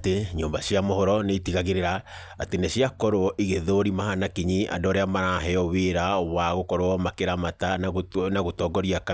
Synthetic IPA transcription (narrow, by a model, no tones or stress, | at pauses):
teɲoːmbasiamohɔɾɔneitiɣaɣeɾeɾaː | teneɕiakɔɾoɔʔiɣeðoɾimahanakiɲiʔa̰ndɔɾeamaɾaɦɛɔweɾawaɣokɔɾoɔmakeɾamatanaɣotɔːɡɔɾiaka